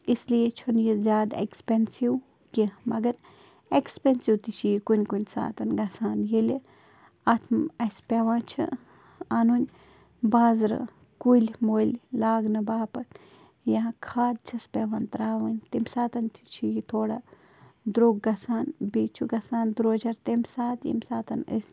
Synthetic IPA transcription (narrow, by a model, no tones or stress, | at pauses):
islijet͡ʃʰonjizʲaːd̪ḛkspensiw | kimɐɡɐɾ | ekspensiwt̪it͡ʃʰijikunʲkunʲsa̰ːt̪ɐnɡɐsaːnjeli | at̪ʰmɐsʲpʲeʋãːt͡ʃʰḭ | anunʲ | baːzɾɨ̰ | kulʲmoːlʲlaːɡnɨbaːpɐt̪ | jakʰaːd̪̚t͡ʃʰɐspʲeʋaːnt̪ɾaːʋɐnʲt̪imʲsaːt̪ɐnt̪ʰi̥t͡ʃʰijit̪ʰoːɽa | d̪ɾoːɡːɐsaːnbit͡ʃʰuɡɐsaːnd̪ɾoːd͡ʒɐɾt̪emʲsaːt̪jḭmʲsaːt̪ɐnə̰sʲ